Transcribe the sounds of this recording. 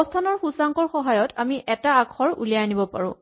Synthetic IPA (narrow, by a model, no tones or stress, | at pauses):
ɔstʰanɔɹxusaŋkɔɹxɔɦajɔtamiʔɛtaːkʰɔɹṵliaanibɔpa̰ɹʊ̰̃